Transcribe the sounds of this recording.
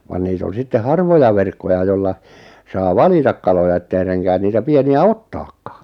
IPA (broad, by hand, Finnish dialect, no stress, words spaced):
ʋɑn niːt on̞ sitːe hɑrʋojɑ ʋerkːojɑ jolːɑ sɑː ʋɑlitɑk kɑlojɑ etːei reŋkæːn niːtæ pieniæ otːɑːkːɑ̥ː